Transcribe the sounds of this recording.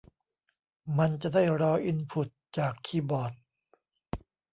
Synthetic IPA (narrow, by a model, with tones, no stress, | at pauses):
ma˧nt͡ɕa˨˩daː˥˩jɾɔː˧˥ʔi˧npʰu˨˩t̪̚t͡ɕaː˨˩kʰːiː˧bɔː˨˩t̪̚